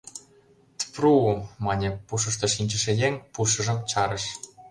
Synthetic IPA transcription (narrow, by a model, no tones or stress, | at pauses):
t̪prumɑnʲepuʃ̬ɤ̆ʃ̬t̪ɤ̆ʃinʲt͡ɕə̆ʃejeŋpuʃɤ̆ʒɤ̆mt͡ɕɑɾə̆ʃ